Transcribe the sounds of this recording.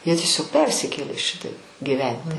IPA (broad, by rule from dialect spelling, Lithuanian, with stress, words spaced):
jiɛ tʲiɛˈsʲoːk ˈpʲɛrʲsʲɪkʲeːlʲeː ˈʃʲɪtɐɪp ɡʲiːˈʋʲɛnʲtʲɪ